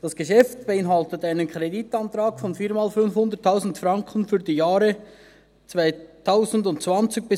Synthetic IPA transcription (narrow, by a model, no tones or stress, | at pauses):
d̥ɑsɡ̥əʃɛftb̥eɪnɦɑltətaɪnənkʁ̥editɑntɾaːkfɔnfiːmaːlfʏnfhʊndətʰːaʊzn̩tfrɑŋkʰən̩fyːɐdijaːɾə | t͡svaɪtʰːaʊzn̩dʊntt͡svɑnt͡sɪɡ̚b̥ɪ